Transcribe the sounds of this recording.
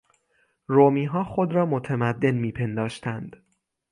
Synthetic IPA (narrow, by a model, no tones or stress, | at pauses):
ɾoːmiːɦɒːxod̪ɾɒːmot̪ʰemæd̪ːe̞nmiːpʰe̞nd̪ɒːʃt̪ʰænd̪̥